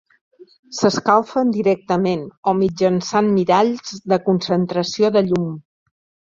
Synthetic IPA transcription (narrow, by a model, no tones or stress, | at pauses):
səskalˠfənd̪iɾɛk̚t̪əmenomid͡ʒənsanmiðaʎzdəkunsənt̪ɾəsioðəʎum